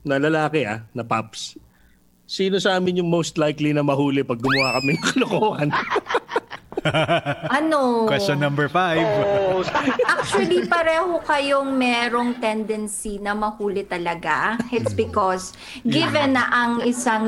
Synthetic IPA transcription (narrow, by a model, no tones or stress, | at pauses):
nɐlɐlaːkɛa̰nɐpaps | siːno̞sɐʔaːmɪnjʊŋmowst̪lajklinɐmɐhuːlɛpɐɡ̚ːʊmɐwakɐmɪjŋkɐlokoːhɐn | ʔɐnokwɛonːɐ̃mbɛɹfajv | ʔak̚t͡ʃuɐlipɐɾɛːho̞kɐjoŋmɛːɾo̞ŋt̪ɛnd̪ɛnsinɐmɐhuːlɪt̪ɐlɐɡaɪt̪sbɪkɔs | ɡɪvɛnɐʔɐŋɪsaŋ